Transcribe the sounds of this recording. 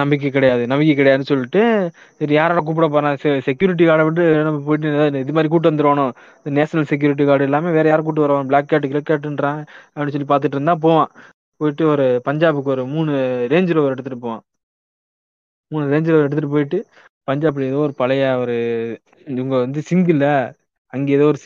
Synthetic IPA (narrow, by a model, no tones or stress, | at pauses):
nɐmbɪk̬ːɯkːɪɽɐjaːðɯnɐmbɪkːɛkːɪɽɐjaːðnːɯsɔlːɪʈːɯ | sɐɾijaːɾaːɽɐ̃k̬uːp̬ɪɽɐp̬oːɾãːssɛk̬juːɾɪʈ̬ːikaːɽɐʋɪʈːɯnɐmɐp̬oːjɪʈ̬ːɯðaɪðɯmaːd̪ɾik̬uːʈ̬ːɯʋɐnd̪ɯɾɯʋaːɳʊ̃ | ðɯneːsnɐlsɛk̬juːɾɪʈ̬ːikaːɽɯɛlːaːmeːʋeːɾɐjaːɾɐkuːʈːɯʋɐɾɐʋaːñbɭaːkːaːʈ̬ːɯkɪɾɛkːaːʈ̬ːnɖɾãːɐɛnːɯsɔlːipaːɾt̪ɯʈːɾɯnd̪ãːp̬oːʋãː | poːjɪʈːɯɔɾɯpɐɲd͡ʒaːbɯkːɔɾɯmuːnːɯɾeːɲd͡ʒɪɾoʋɐɾɛɽɯt̪ːɯʈːɯpoːʋã̰ː | muːnːɯɾeːɲd͡ʒɾoːʋɐɾɛɽɯt̪ːɯʈːɯp̬oːjɪʈːɯ | pɐɲd͡ʒaːbɯɛðoːɔɾɯpɐlɐjaːʋɐɾɯ | ʊŋɡɐʋɐnd̪ɯsɪŋɡɪlːɐ | ɐŋɡeːɛðoːɔɾɯ